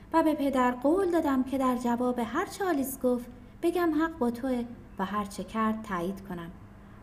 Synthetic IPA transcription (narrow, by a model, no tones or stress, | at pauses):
væbe̞pʰe̞d̪æɾɢoːld̪ɒːd̪æmcʰe̞d̪æɾd͡ʒævɒːbeɦæɾt͡ʃʰeɒːliːsɡoft̪ | b̥e̞ɟæmɦæɢbɒːt̪ʰo̞e | væɦæɾt͡ʃʰecʰæɾd̪̥̚t̪ʰæːjiːd̪̥kʰo̞næm